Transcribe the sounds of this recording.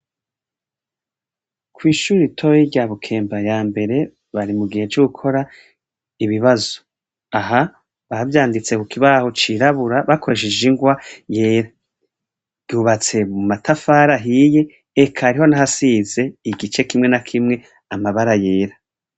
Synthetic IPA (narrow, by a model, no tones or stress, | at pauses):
kʰwiːʃuːɾitʰo̞jiɟaβukʰe̞ːmbajaːmbe̞ɾe̞ | βaɾimuɡihe̞t͡ʃoɡukʰo̞ɾa | iβiβazo̥ | aɦa | βavjaːndit͡se̞kukiβaho̞t͡ʃiɾaβuɾaβakʰo̞ɾeʃeʒiŋɡwaje̞ːɾa | ɟuːβat͡se̞mumatʰafaːɾaɦije̞ː | kʰaɾiho̞naɦasize̞iɡit͡ʃe̞kimŋe̞nakʰimŋe̞ | amaβaɾaje̞ːɾa